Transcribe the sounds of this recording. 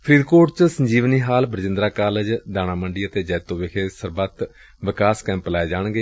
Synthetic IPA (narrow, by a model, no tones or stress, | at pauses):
pʰəɾiːd̪koːʈt͡ʃsəɲd͡ʒiːʋniːɦaːlbəɾd͡ʒɪ̃nd̪ɾaːkaːləd͡ʒd̪aːñaːməɳɖiːət̪eːd͡ʒɛːt̪õːʋekʰeːsəɾbət̪ | ʋɪkaːskɛ̃ːmplaːeːd͡ʒaːɳ̃ɡeː